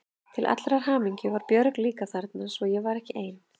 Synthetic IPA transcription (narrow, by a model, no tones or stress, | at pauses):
t̪ʰɪlʔa̰t̪lɾaɾ̥ɦaːmiɲcɪvaɾpjœɾkliːkaθaɾt̪nasvɔjɛvaɾɛhcɪʔeːjn